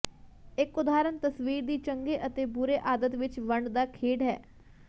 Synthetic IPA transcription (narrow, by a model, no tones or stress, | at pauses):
ɪkʊd̪aːɾənt̪əsʋiːɾd̪iːt͡ʃəŋɡeːʔət̪eːbʊɾeːʔaːd̪ət̪ʋɪt͡ʃʋəɳɖd̪aːkʰeːɖɦɛ̰ː